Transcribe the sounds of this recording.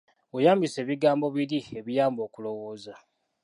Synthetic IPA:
wejaːmbise̞ːβiɡaːmbo̞βiɾie̞βijaːmbo̞ːkulo̞wo̞ːza

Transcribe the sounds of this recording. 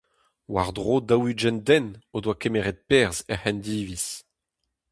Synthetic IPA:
waʁd̪ʁoːd̪awyd͡ʒɛndɛnodwakemeʁɛt̪̚pɛʁzɛhɛnd̪iːvis

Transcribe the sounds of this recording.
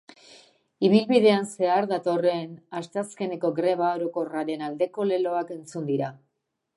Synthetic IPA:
iβ̞ilβiðe̞anse̞aɾðat̪o̞re̞nast̪aske̞ne̞ko̞ɡɾe̞βao̞ɾo̞ko̞raɾe̞nald̪e̞ko̞le̞lo̞ake̞nt͡sund̪iɾa

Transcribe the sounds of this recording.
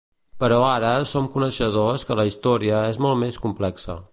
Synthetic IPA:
pəɾɔaɾəsomkunəʃəðoskələist̪ɔɾiəezmolˠmeskumplɛksə̰

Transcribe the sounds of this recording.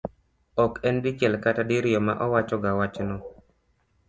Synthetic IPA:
ɔkɛndit͡ʃɛlkatadiɾjɔma̰ʔɔwat͡ʃɔɡawat͡ʃnɔ

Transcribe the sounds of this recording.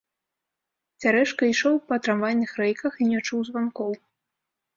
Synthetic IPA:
t͡sʲaɾɛʂkɐiʂɔwpɐt̪ɾamvanʲnʲːɨxɾɛjkɐxinʲɛt͡ʂuwzvankɔw

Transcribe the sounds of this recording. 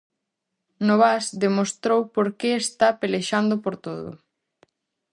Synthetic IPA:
noβasd̪emost̪ɾowpoɾkeːst̪apeleʃand̪opoɾt̪oðʊ̰

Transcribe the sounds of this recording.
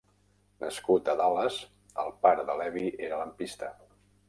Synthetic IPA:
nʔə̰skut̪əðaləz | ə̰lˠpaɾəðəlɛβiʔeɾələmpist̪ə

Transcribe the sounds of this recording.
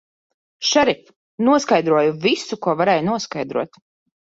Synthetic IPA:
ʃɛɾif | nuɔskajd̪ɾuɔjuvisukuɔvaɾɛːjunuɔskajd̪ɾuɔt̪

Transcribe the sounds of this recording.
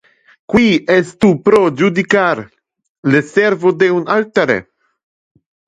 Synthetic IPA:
kwiɛst̪upɾod͡ʒud̪ikaɾ | lesɛɾvod̪eunalt̪aɾḛ

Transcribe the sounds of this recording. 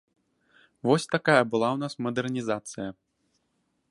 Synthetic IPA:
vɔsʲt̪akajɐbɨlˠawnasmɐd̪ɛrnʲizat̪sɨjɐ

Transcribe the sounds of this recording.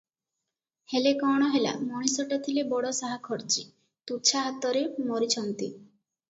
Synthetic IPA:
helekɔɽ̃ɔɦela̰mɔɽ̃isɔʈat̪ʰilebɔɽɔsaɦakʰɔɾt͡ʃi | t̪ut͡ʃʰaɦat̪ːɔɾemɔɾit͡ʃʰɔnt̪ḭ

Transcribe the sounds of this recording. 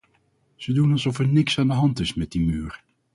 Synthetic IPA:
z̥ədunɑlˠzɔfɛɹnɪksaːndəɦɑntɪsmɛt̚dimyːɹ

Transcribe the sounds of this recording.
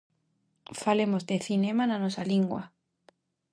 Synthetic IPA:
falemozd̪eθinẽmananosaliŋɡwa̰

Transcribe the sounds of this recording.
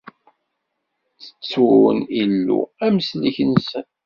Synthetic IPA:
t͡sːə̥t͡sːnilːṵæməsliçənsən

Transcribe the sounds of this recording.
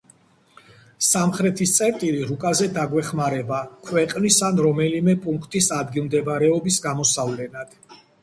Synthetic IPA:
samχɾɛt̪ʰist̪sʼɛɾt̪ʼiliɾukʼazɛd̪aɡwɛχmaɾɛbakʰwɛqʼnisanɾɔmɛlimɛpʼuŋkʰt̪ʼisad̪ɡilˠmd̪ɛbaɾɛɔbisɡamɔsavlɛnad̪̥

